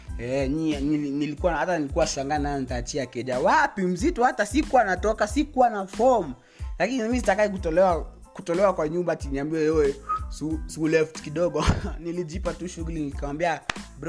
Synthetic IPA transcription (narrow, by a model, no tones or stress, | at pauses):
ɛɲiɛnilinilikuwahatanilikuwaʃaŋɡanajɔnitaːt͡ʃiakɛʄawapim̩zitɔhatasikuwanatɔkasikuwanafɔm̩ | lakinimizitakaikutɔlɛwa | kutɔlɛwakwaɲumbatiniambiɛwɛwɛsusulɛftkiɗɔɡɔnilid͡ʒipatuʃuɣlinilikawambiabɾ